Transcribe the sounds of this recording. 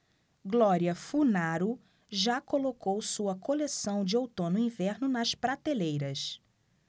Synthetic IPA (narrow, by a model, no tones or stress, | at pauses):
ɡlɔɾiɐfunaɾʊ | ʒakolokowsuɐkʰolesɐ̃w̃d͡ʒɪowt̪õnʊĩvɛɾnʊnɐʃpɾat̪elejɾɐs